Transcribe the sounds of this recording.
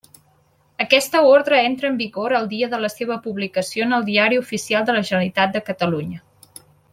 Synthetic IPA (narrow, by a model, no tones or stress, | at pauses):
əkɛst̪əoɾðɾəent̪ɾəːmbiɣoɾəlˠd̪iəðələseβ̞əpuβlikəsionəlˠd̪iaɾiufisialˠd̪ələʒənəɾit̪at̪̚d̪əkət̪əluɲə